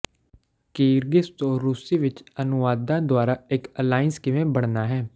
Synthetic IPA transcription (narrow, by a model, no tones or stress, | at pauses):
keːɾɡɪst̪õːɾuːsiːʋɪt͡ʃənʊʋaːd̪ãːd̪ʊaːɾaːɪkəlaːɪnskɪʋẽːbəɽnaːɦɛː